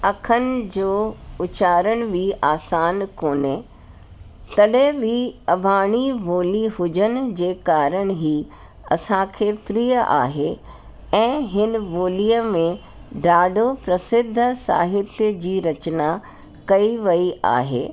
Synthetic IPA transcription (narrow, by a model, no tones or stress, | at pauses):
ɐkʰənɪ̆d͡ʑoːʊt͡ɕaːɾəɽ̃ʋʱiʔaːsaːnkoːne | t̪ɐɗẽbiɐbʱaːɽ̃iʋoːliɦʊd͡ʑənɪ̆d͡ʑeːkaːɾəɽ̃ɦi | ɐ̰sãkʰeːfɾiːjəʔa̰ːɦe | ɛ̃ːɦɪn̆ʋoːlijəmẽ | ɖaːɖʱopɾɐsɪd̪ʱːəsa̰ːɦɪt̪jəd͡ʑiːɾɐt͡ɕna | kɐiʋɐia̰ːɦḛː